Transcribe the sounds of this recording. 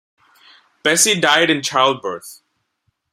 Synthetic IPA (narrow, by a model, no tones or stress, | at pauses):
b̥ɛsidaɪɾɨ̃nt͡ʃʰaɪlˠd̚bə˞θ